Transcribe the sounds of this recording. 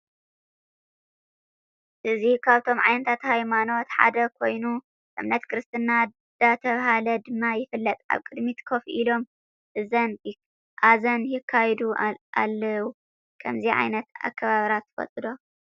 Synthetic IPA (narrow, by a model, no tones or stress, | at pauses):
ʔɨzikʰaβt̪ʰo̞mʕa̰jnɐt̪ʰat̪hajmano̞t̪ħa̰d̪ɐkʰo̞jnu | ʔɨ̰mnɐt̪kʰɨɾɨst̪ʰɨnːa | d̪̥at̪ʰɐβɦalɐd̪ɨmːajɪfɨlːɐt̪ʼa̰βkʼɨd̪mit̪kʰo̞fʔilo̞m | ʔɨzɐn | ʔazɐnjɪkʰːajd̪uʔa̰lːɐwu | kʰɐmziʕa̰jnɐt̪a̰kʰːɐβaβɾat̪ʰːɨ̥fɐ̰t͡sʼɨd̪o̞